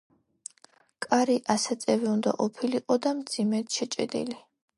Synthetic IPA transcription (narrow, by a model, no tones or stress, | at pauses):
kʼaɾiʔasat̪sʼɛviund̪a̰ʔɔpʰiliqʼɔd̪amd̪z̥imɛt̪ʃɛt͡ʃʼɛ̰d̪ḭli